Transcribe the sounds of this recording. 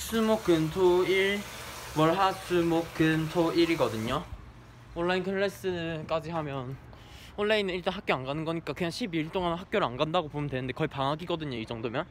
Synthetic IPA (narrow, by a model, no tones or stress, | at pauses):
sʰumok̚k͈ɯntʰoiɭwʌɭɦasʰumokk͈ːɯntʰoiɾiɡʌdɯɲo | oɭːainkʰɯɭːes͈ɯnɯk͈ad͡ʑiɦamjʌn | oɭːainɯiɭt͡ɕ͈anɦak͈oanɡanɯnɡʌɲik͈akɯɲaŋɕʰibiɭt͈oŋanɦak͈̚jʌɾɯanɡandaɡopomjʌntwe̞nɯnde̞kʌipaŋaɡiɡʌdɯɲoid͡ʑʌŋdomjʌn